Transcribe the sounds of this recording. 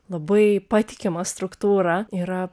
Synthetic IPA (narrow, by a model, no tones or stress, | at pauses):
lˠɐbɐɪpɑːt̪ʲɪkʲɪmɐst̪ɾʊkt̪uːɾɐiːɾɐ